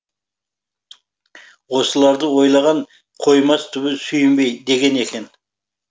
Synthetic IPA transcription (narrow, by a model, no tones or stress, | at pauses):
wo̞səlˠɑɾd̪əwo̞jlˠɑʁɑɴ | qʰo̞jmɑst̪ʰʏβɪsʏjɪmbe̞jd̪e̞ɡʲe̞ne̞kʲe̞n